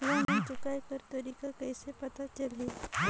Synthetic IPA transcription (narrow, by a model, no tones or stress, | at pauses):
ʋənit͡ʃʊkajkəɾt̪əɾiːkakəjsepɐt̪at͡ʃəle